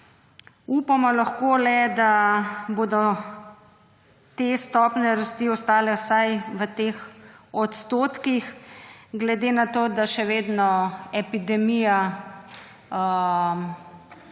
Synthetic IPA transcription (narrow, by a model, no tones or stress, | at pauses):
uːpamɔlaxkoːlɛd̪aboːd̪ɔ | t̪est̪ɔːpnɛɾast̪iːɔst̪aːlɛsajʋət̪eːxɔt̪st̪oːt̪kixɡlɛd̪eːnat̪oːd̪aʃɛʋeːd̪nɔɛpid̪ɛmija | m